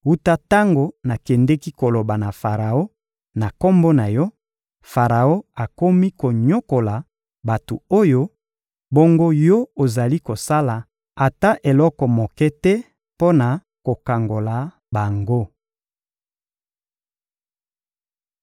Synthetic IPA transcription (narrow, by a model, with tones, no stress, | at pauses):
u˦ta˦ta˦ŋɡo˨na˨kɛ˨ndɛ˦ki˦ko˨lo˨ba˨na˨fa˨ʁa˨o˦ | na˨ko˦mbo˦na˨jɔ˦ | fa˨ʁa˨o˦a˨ko˦mi˦ko˨ɲo˦ko˨la˨ | ba˨to̰˨o˦jo˦ | bo˦ŋɡo˦jɔ˦o˨za˨li˦ko˨sa˦la˨ | a˨ta˦ʔe˨lɔ˦kɔ˨mo˨kɛ˦tɛ˦ | po˦na˨ | ko˨ka˨ŋɡo˨la˨ | ba˨ŋɡo˦